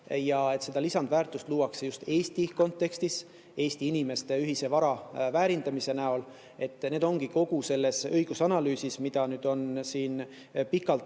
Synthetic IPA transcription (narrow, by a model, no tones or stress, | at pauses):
jɑe̞t̪se̞d̪̥ɑlisɑnd̪̥væːrt̪ːˑust̪luːɑksejust̪e̞ːst̪iko̞nt̪ːˑe̞kst̪is | e̞ːst̪iinime̞st̪e̞yɦise̞vɑɾɑvæːɾind̪ɑmise̞næol | e̞t̪ːˑne̞ːd̪o̞ŋɡ̥iko̞ɡ̥use̞lːe̞sɤjɡ̥usɑnɑlyːsismid̪̥ɑnyːd̪̥o̞nsiːn | pikːˑɑlt̪